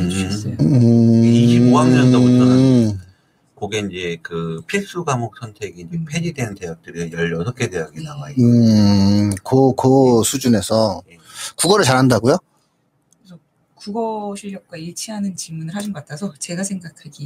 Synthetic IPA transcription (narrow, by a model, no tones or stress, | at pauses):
iɕiboaŋɲʌoutʰn | koɡe̞ind͡ʑe̞kɯpʰis͈uɡamok̚s͈ʰʌntʰe̞ɡiind͡ʑe̞pʰed͡ʑidenɯteak̚t͈ɯɾijʌʎʌsʰʌkʰe̞deaɡinawaiɯ | kokɯsʰud͡ʑune̞sʰʌjkuɡʌɾɯɭt͡ɕaɾɦandaɡujo | kkɯesʰʌ | kuɡʌɕʰiʎːʌk̚k͈waiɭt͡ɕʰiɦanɯnt͡ɕiɭmunɯɭhad͡ʑɯnɡʌatʰasʰʌt͡ɕe̞ɡasʰe̞ŋɡakʰaɡi